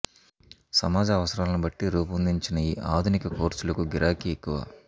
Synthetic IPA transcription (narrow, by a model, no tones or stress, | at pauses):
sɐmaːd͡ʒɐːʋɐsɐɾaːlɐnibɐʈːiɾuːpɐnd̪iɲt͡ʃinɐiːʔaːd̪ʱunikɐkoːɾt͡ʃulɐkuɡiɾʔaːkiekːuʋa̰